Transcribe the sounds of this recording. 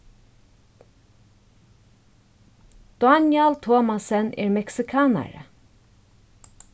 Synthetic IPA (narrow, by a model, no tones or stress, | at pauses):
d̪̥ʊɑnjɑlt̪ʰoːmɑsənʔḛːɹmɛksɪkʰɑːna̰ɾə̰